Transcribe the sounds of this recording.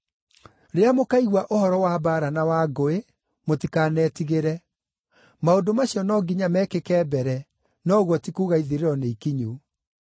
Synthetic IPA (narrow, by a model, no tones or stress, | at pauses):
ɾeamokaiɣwaʔohɔɾɔwabaːɾanawaːɡoe | motikaːnɛːtiɣeɾɛ | maodomaɕiɔnɔːɡiɲamɛkekɛːbɛɾɛ | nɔɣwɔtikuːɣaiðiɾeɾɔneikiɲu